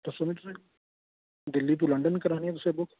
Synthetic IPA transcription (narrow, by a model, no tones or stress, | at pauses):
t̪ʊsoːmĩt̪ʊsẽ | d̪ɪlːit̪̬uləɳɖənkəɾaːniɛt̪ʊsẽbokʰ